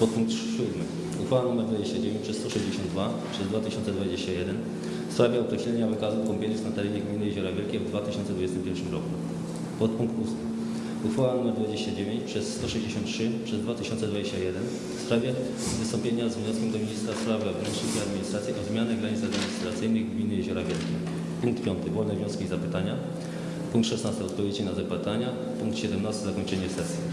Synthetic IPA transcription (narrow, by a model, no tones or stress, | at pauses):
pɔt̪̚puŋk̚t̪ɕud̪mɘ | uxfawanumɛɾd̪vad͡ʑeɕt͡ɕad͡ʑevʲẽɲt͡ɕpʂɛst̪ɔʂɛʑd͡ʑeɕɔ̃nd̪va | pʂɛzd̪vat̪ɘɕɔnsɛd̪vad͡ʑeɕt͡ɕajɛd̪ɛn | fspɾavʲjɛɔkɾɛɕlɛɲavɘkazufkɔmpʲjenʲisknat̪ɛɾɛɲɛɡmʲinɘjeʑɔɾavʲjɛlkʲɛvd̪vat̪ɘɕɔnt̪sd̪vud͡ʑɛst̪ɘmpʲjɛɾfʂɘmɾɔku | pɔt̪̚puŋk̚t̪usmɘ | uxfawanumɛɾd̪vad͡ʑeɕt͡ɕad͡ʑevʲeɲt͡ɕpʂɛsːt̪ɔʂɛʑd͡ʑeɕɔ̃nt̪tʂɘpʂɛzd̪vat̪ɘɕɔntsɛd̪vad͡ʑeɕt͡ɕajɛd̪ɛn | fspɾavʲjɛ | vɨst̪ɔmpʲjeɲazvɲɔskʲɛmd̪ɔmʲiɲist̪ɾaspɾavɘɔvnɛnkʂit̪ijad̪mʲiɲist̪ɾat̪sʲjiʔɔzmʲjanɛɡɾaɲit̪ad̪mʲiɲist̪ɾat̪sɘjnɘɣɡmʲinjeʑɔɾavʲjɛlkʲɛ | puŋkt̪pʲjɔnt̪ɘɡwɔvnɛvɲɔ̃skʲizapɘt̪aɲa | puŋkt̪ʂɛsnast̪ɨɔt̪pɔvjed͡ʑinazapɪt̪aɲa | puŋk̚t̪ɕɛd̪ɛmnast̪ɘzakɔɲt͡ʂɛɲɛsɛsʲji